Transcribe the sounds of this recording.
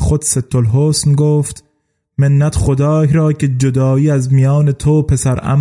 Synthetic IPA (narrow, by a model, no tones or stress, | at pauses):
xod̪set̪ʰːolɦoːsnɡoːft̪ | menːæt̪χod̪ɒːhɾɒːkʰed͡ʒod̪ɒːiːæzmijɒːnet̪ʰoːpʰe̞sæɾʔæ̰m